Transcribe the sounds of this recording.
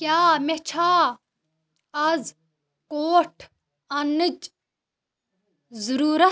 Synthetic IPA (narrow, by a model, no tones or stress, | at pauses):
kjaːmet͡ʃʰaː | ɐz | koːʈʰ | ɐnɨd͡ʒ | zuɾuːɾɐ